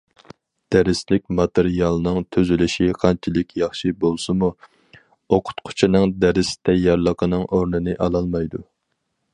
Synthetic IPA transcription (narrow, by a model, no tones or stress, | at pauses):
d̪̥æɾɪslɪk̚ʲmɑt̪eɾijɑlˠnɨŋt̪ʰøzylɪʃiqʰɑnt͡ʃʰilɪkʲʰjɑχʃibolˠsɨmu | oqʰʊ̥t̪qʰʊ̥t͡ʃʰinɨŋd̪ɛɾɪsɪ̥t̪ʰɛjɑɾlˠəqʰənɨŋʔoɾnɨnɨʔɑlˠɑlˠmɑjd̪u